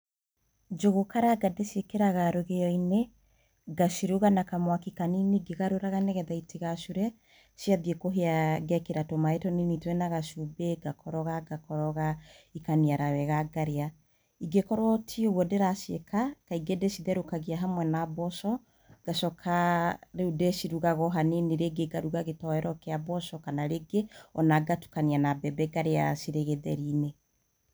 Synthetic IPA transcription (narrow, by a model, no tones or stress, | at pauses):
d͡ʒoɣokaɾaɡadeʃiekeɾaɣaɾoɣeɔine | ɡaʃiɾuɣanakamwakikaniniɡeɣaɾoɾaɣanɛɣɛðaitiɣaʃuɾɛ | siaðiekoɦeaɡɛkeɾatomaetɔninitwɛnaɣaʃubeɡakʰɔɾɔɣaɡakɔɾɔɣaikaniaɾawɛɣaɡaɾea | iɡekɔɾwɔtʰioɣwɔdeɾasekakaiɡedesiðɛɾokaɣeaɦamwɛnabɔsɔ | ɡ̥aʃɔkʰaɾeudesiɾuɣaɣɔɦaneniɾeɡeɡaɾuɣaɣetɔɛɾɔkeabɔsɔkanaɾeɡeɔnaɡatu̥kanianabɛbɛɡaɾeasiɾeɣeðɛɾine